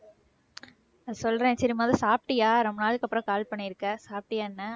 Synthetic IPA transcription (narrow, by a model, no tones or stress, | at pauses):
ɐsɔlːrɾẽːɛt͡ʃːɐɾimaːðɾsaːp̚ʈɪjaːɾɔmːɐnaːlɯkːɐpːɯɾɐ̃kaːlpɐɳːɪɪɾɯkːɐsaːp̚ʈɪjaːnːɐ